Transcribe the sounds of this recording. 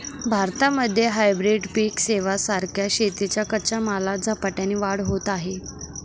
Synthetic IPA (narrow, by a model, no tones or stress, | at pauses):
bʱaɾt̪aməd̪ʱːjeɦajbɾiɖpiːkseʋasaɾkʰjaɕet̪it͡ɕjakət͡ɕamalad͡zʱapaʈjanːiːʋaɽɦot̪aɦe